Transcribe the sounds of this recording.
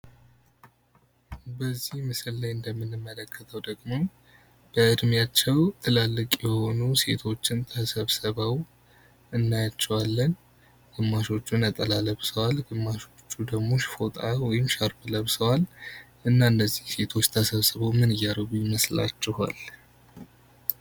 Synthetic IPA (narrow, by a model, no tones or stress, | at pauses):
bəzːihmɨsɨlːajɨnd̪əmːɨnɨmːələkʰːət̪ʰəwd̪əɡmo̞ | b̥əʔɨd̪mjat͡ʃːɛwt̪ʰɨlalːɨkʼjɛho̞nuse̞t̪ʰo̞t͡ʃːɪnt̪ʰəsəβsəβəw | ɨnːajat͡ʃːɛwalːən | ɡ̥ɨmːaʃo̞t͡ʃːunət̪ʼəlaləβsəwalɡɨmːaʃo̞t͡ʃːud̪əɡmo̞ʃfo̞t̪ʼawɔjɪmʃaɾbɨləβsəwal | ʔɨnːaɨnːəzːihse̞t̪ʰo̞t͡ʃːt̪ʰəsəβsəβəwmɨnɨjːaɾəɡujiməsla̰t͡ʃːɪha̰l